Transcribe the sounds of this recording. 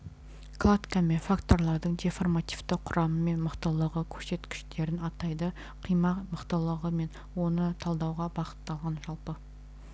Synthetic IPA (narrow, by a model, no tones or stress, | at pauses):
klˠat̪kamefakt̪o̞rlˠɑɾd̪əɴd̪e̞fo̞rmat̪ivt̪ɪqʰʊɾʔɑməme̞nməqt̪əlˠəʁəkʲʰɵɾse̞t̪kʲɪ̥ʃt̪e̞ɾɪnɑt̪ɑjd̪ə | qʰijmɑqməqt̪əlˠəʁəme̞n | wo̞nət̪ʰɑlˠd̪ɑwʁɑbɑqə̥t̪ːɑlˠʁɑnʒɑlˠpə